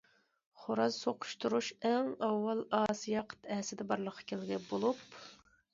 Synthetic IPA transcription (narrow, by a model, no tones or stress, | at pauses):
χoɾɑzsoqʰʊ̥ʃt̪uɾuʃæŋɑwːɑlˠɑːsijɑqʰə̥t̪ɛɦsɪd̪ɛbɑɾlˠəqʰːɑ̥kʲʰelɡʲɛbolˠup̚